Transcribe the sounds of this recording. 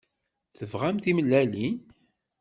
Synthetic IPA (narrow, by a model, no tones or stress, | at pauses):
θəvʁæmθiməlːælin